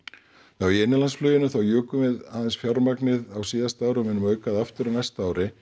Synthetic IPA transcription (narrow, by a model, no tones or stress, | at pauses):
θawiejnːɪlansflœːɥjɪnʏθawjœːkʏmɛðaːðɛnsfjawɾmaknɪðawsiːðast̪aːwɾʏmɛnːʏmœːɥkaðaft̪ʏɾnajst̪aaːwɾʔɪ